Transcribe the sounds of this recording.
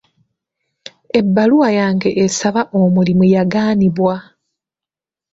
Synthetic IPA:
e̞bːaluwajaːŋɡe̞ʔesaβaʔomulimujaɡaːniβwa

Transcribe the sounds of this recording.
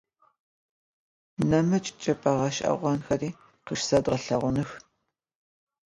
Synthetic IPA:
nɐmɐt͡ʃʼɪ̥t͡ʃʼɐpʼɐʁɐʃʔɐ̰ʁʷɔnxɐriː | qəʂsɐdʁɐɬɐʁʷʊnɨx

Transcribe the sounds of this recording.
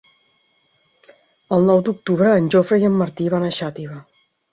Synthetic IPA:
əlˠnɔwd̪uk̚t̪uβɾəːnʲd͡ʒofɾəjəmːəɾt̪iβanəʃat̪iβə

